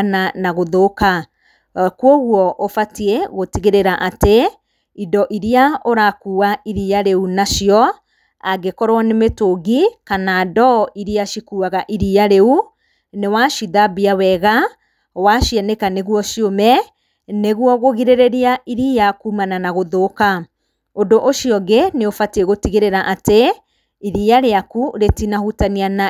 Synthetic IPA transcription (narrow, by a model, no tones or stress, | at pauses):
nanaɣoðoka | kwɔɣwɔʔofatieɣotiɣeɾeɾaʔate | idɔʔiɾiaoɾakuːwaiɾiaɾeunaʃiɔ | aɡekɔɾwanemetoɡikanadɔʔiɾiaʃikuaɣaʔiɾiaɾeu | newaʃiðabiawɛɣa | waʃianekaneɣuɔʃiomɛ | neɣwɔɣoɣiɾeɾeɾiaiɾijakuːmananaɣoðoka | ondoʔoʃiɔɡeneofateɣotiɣeɾeɾaʔate | iɾiaɾeakuɾetinahutaniana